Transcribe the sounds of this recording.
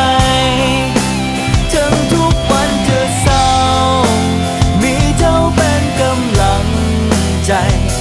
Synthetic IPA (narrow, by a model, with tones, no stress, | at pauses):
t͡ɕə˧nzu˦˥ət̚kwa˧˨˩nt͡ɕɨ˨˧˩əsa˧ | w | mḭ˧˨˥zə˧˦wɓɛ˧nkə˧mla˧˨˦ŋ | t͡ɕa˧˩j